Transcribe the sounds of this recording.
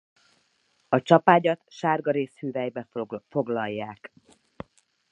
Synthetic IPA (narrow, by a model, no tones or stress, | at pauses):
ɒt͡ʃɒpaːɟɒt̪ʃaːrɡɒɾeːshyːvɛjbɛfo̞ɡlɒjːaːk